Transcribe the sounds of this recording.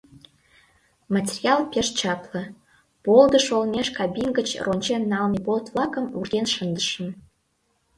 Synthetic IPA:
mɑtʲerʲiɑlˠpʲeʃt͡ɕɑplɤ̆ | polˠd̪ə̆ʃolnʲeʃkɑbʲinɡət͡ɕrʔonʲt͡ɕenːɑlnipolt̪vlˠɑkə̆murd̪ʲenʃənd̪əʃə̆n

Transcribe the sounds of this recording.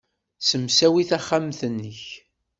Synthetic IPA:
səmsæwiθæχːamθənːəç

